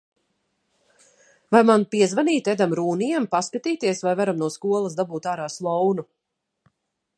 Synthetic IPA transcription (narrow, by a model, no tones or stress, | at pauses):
vajmanpiɛzvaniːt̪ʲɛd̪amɾuːnijɛmpaskat̪iːt̪iɛsvajvaɾamnuɔskuɔlˠɐsd̪abuːt̪aːɾaːslˠɔwnu